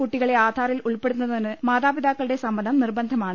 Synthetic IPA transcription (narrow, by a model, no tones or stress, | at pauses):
kuʈːiɣɐɭeaːd̪ʱaːɾiluɭpe̞ɽunːɐðɐinɨmaːðaːbid̪aːkːɐɭɨɽe̞sɐmbɐnʰʱɐmnirbɐnd̪ʱɐmaːɳɨ